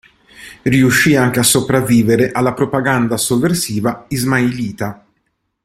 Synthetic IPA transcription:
riuʃːiaŋk̟easːopɾavːiːveɾeʔalːapɾopaɡand̪asovːersiːvaizmailiːt̪a

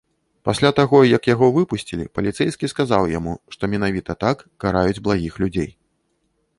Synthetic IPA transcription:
pasʲlʲat̪aɣɔjɐkjaɣɔvɨpusʲt͡sʲilʲḭpɐlʲit̪sɛjskʲiskazawjamuʂt̪ɔmʲɛnavʲit̪ɐt̪akːaɾajud͡zʲblˠaɣʲixlʲud͡zʲḛj

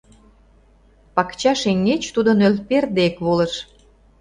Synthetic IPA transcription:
pɑkt͡ɕɑʃeŋːet͡ɕt̪ud̪onølperd̪eekβolə̆ʃ

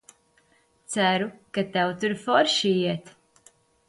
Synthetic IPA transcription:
t̪sæɾukat̪ɛwt̪uɾfɔɾʃijɛt̪

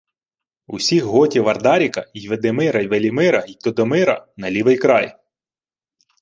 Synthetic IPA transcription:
usʲixɦɔtʲiʋɐrd̪ɑɾʲikɐijʋed̪emɪɾɐjʋelʲimɪɾɐit̪ɔd̪ɔmɪɾɐ̰nɐlʲiʋɪjkɾɑj

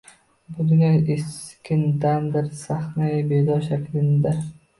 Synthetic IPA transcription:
bʊd̪ʊnʲaʔeskʲʰɪnd̪amd̪ɪɾsaχnajɪbed̪ɒʃakʲlɪnd̪a

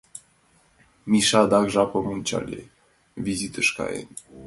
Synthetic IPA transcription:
miʃɑd̪ɑkʒɑpəmunʲt͡ɕa̰lʲḛ | vizit̪əʃkɑ̰ḛn

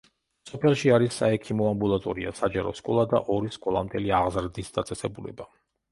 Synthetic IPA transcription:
sɔpʰɛlˠʃiaɾisːaɛkʰimɔambulˠat̪ʼɔɾia̰sad͡ʒaɾɔ̰skʼɔlˠad̪a̰ʔɔɾiskʼɔlˠamd̪ʰɛliaʁzɾd̪isd̪at̪sʼɛsɛbulɛ̰ba

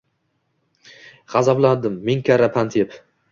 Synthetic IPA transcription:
ʁɑzabland̪ɪmːɪŋkʲʰaɾapʰant̪ʰep

